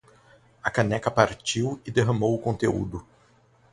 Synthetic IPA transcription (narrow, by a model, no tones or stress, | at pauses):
ɐkɐnɛkɐpaɾt͡ʃiwɪd̪eɦɐ̃mowʊkõnt̪eṵd̪ʊ